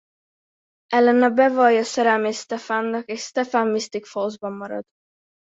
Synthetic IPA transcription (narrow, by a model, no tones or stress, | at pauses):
ʔɛlːɛnɒbɛvɒjɒsɛɾalmeːst̪ɛfanːɒkeːʃst̪ɛfanmist̪ikfolzbɒmːɒɾɒ̰d̪̥